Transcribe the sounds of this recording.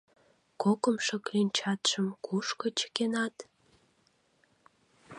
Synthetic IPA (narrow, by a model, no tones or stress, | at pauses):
kokəmʃɤ̆klinʲt͡ɕɑt̪ʃəmkʰuʃkŏt͡ɕə̥kenɑt̪